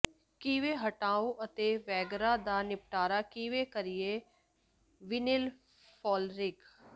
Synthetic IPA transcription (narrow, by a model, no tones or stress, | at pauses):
kiːʋeːɦəʈaːõːʔət̪eːʋɛːɡɾaːd̪aːnɪp̚ʈaːɾaːkiːʋeːkəɾɪjeː | ʋɪnɪl | pʰɔːlɾɪk